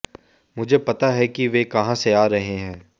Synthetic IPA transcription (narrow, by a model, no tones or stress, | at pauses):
mʊd͡ʒʱepɐt̪aɦɛkiʋekɐɦãseaːɾɐɦeɦɛ̃ː